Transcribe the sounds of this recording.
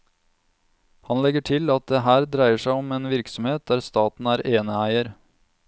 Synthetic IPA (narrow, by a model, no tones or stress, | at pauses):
hɑnlɛɡəʈʰɪlɑt̪̚d̪eːɦæːɾd̪ɾæɪəʂæɪɔmeːnʋɪɾksɔmheːt̪̚d̪æːɾst̪ɑːt̪n̩æːɾʔeːnəæɪəɾ